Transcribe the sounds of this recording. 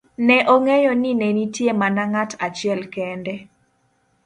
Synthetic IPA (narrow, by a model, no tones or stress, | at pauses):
nɛʔɔŋɛjɔninenitjemanaŋatʰat͡ʃɪɛlkɛndɛ